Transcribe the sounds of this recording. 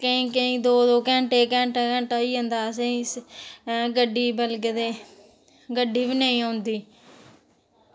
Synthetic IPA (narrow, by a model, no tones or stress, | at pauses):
kəĩːkəĩːd̪oːd̪oːkɛ̃ːɳʈeːkɛ̃ːɳʈaːkɛ̃ːɳʈaːiːɦõnd̪aːs̬ẽs | ɡəɖiːbəlɡd̪eː | ɡəɖiːbiːnəĩːãːnd̪iː